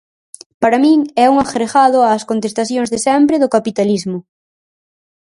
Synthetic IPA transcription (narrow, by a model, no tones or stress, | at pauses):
paɾamĩŋɛuŋaxɾeɣaðʊaːskont̪est̪aθjõŋzðesɛmpɾɪðʊkapit̪alizmʊ